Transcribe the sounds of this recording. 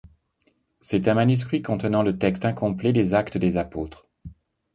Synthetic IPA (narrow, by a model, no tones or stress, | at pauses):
sɛt̪ɛ̃manys̬kχikɔ̃t̪ənɑ̃lət̪ɛkst̪ɛ̃kɔ̃plɛd̪ezakt̪əd̪ezapoːt̪χ